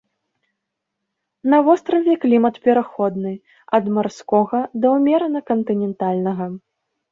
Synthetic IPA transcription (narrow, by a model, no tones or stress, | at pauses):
nɐvɔst̪ɾɐvʲɛklʲimɐt̪pʲɛɾaxɔd̪nɨ | ɐd̪marskɔɣɐd̪ɐwmʲɛɾɐnɐkɐnt̪ɨnʲɛnt̪alʲnɐɣɐ